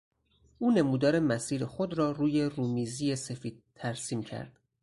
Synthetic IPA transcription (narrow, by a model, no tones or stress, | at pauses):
ʔuːne̞muːd̪ɒːɾe̞mæsiːɾexod̪ɾɒːruːje̞ruːmiːziːjese̞fiːd̪̥̚t̪ʰːæɾsiːmcʰæ̰ɾd̪̥